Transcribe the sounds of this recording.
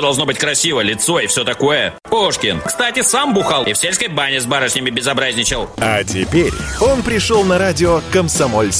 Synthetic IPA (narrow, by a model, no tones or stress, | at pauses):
d̪ɐlˠʐnobɨtʲkɾɐsʲivəlʲɪt̪so̞ɪfsʲot̪ɐko̞jəpoʂkʲɪnkst̪atʲɪsambʊxalˠɪfsʲelʲskəjbanʲɪzbaɾəʂnʲɪmʲɪbʲɪzɐbɾazʲnʲɪt͡ɕɪlˠɐt̬ʲɪpʲeɾʲo̞npɾʲɪʂolˠnɐɾadʲɪokəmsɐmolʲs